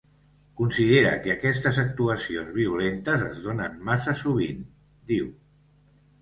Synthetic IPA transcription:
kunsiðeɾə̰kəakɛst̪əzək̚t̪uəsionzβ̞iulent̪əzə̰zð̞onənmasəsuβ̞in | d̪iw

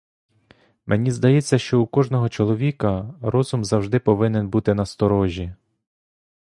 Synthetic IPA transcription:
mʔenʲizd̪ɐjɛt͡sʲːɐʃt͡ʃɔukɔʒnɔɦɔt͡ʃɔlˠɔʋʲikɐɾɔzʊmzɐwʒd̪ɪpɔʋɪnɛnbut̪ɪnɐst̪ɔɾɔʒʲi

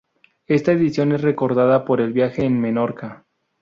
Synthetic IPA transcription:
e̞st̪aeðisjo̞ne̞sre̞ko̞ɾðaðapo̞ɾe̞lβjaxe̞ːnme̞no̞ɾka

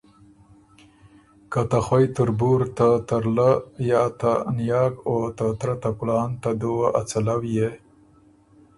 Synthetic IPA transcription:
kat̪axwajt̪ʊɾbuɾt̪at̪aɾlajɑt̪anjɑːkot̪at̪ɾat̪akuɽɑːnt̪ad̪owaʔat͡salawje

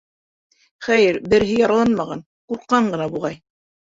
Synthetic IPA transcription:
χæjɘɾbɘ̆ɾɦɘjɑɾɑlˠɑnmɑʁɑn | quɾqːɑɴɢɤ̆nɑbuʁɑj

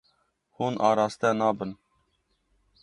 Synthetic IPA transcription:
huːnʔɑːɾɑːst̪ɛnɑːbən

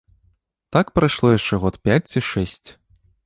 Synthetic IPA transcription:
t̪akpɾajʂlˠɔjaʂt͡ʂɛɣɔt̪pʲat͡sʲt͡sʲiʂɛsʲt͡sʲ

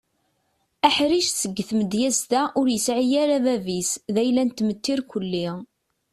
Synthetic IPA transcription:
æħɾiʃsəɡːθməd̪jæzt̪æʔʊɾjəsʕijæɾævævisðæjlːænt̪ːmət̪ːiɾkʷəlːi

